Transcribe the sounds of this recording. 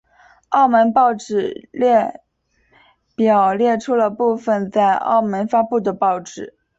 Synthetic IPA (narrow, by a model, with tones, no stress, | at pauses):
ɑ˥˩ʊmə˧˥npɑ˥˩ʊʈ͡ʂɻ̩˨˩ljɛ˥˩ | pjɑ˨˩ʊljɛ˥˩ʈ͡ʂʰu˥lə˧pu˥˩fə˧˩nt͡sa˥˧ɪɑ̰˥˩ʊmə˧˥nfa˥pu˥˩d̪ə˩pɑ˥˩ʊʈ͡ʂɻ̩˨˩˦